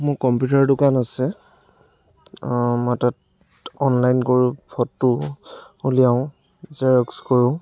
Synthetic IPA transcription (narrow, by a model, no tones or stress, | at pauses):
mojkɔmpjutaɹdʊkanasɛ | matɔt | ɔnlajnkoɹũpʰɔtːʊ | ulijaʊ̃ | zaɹɔkskɔɹʊ̃